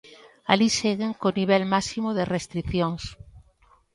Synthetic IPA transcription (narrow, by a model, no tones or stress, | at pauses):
a̰liseɣeŋkoniβ̞elmasimoðerest̪ɾiθjoŋs